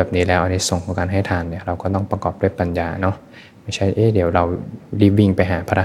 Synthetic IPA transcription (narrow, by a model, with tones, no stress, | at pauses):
bɛː˨˩p̚niː˦˥lɛː˦˥wʔa˧nːiː˦˥so˨˩ŋkʰɔ˨˦ŋkaː˧nɦa˥˩jt̪ʰaː˧nːi˥˩ɐɾa˧wkɔː˥˩t̪ɔ˥˩ŋpɾa˧kɔː˨˩p̚du˥˩jpa˧njaː˧nɔ˦˥ʔ | ma˥˩jt͡ɕʰa˥˩jʔeː˦˧˩di˩˦wɾa˧wli˦˥˩wi˧ŋpa˧jɦaː˩˦pʰaː˧ɾa˦˥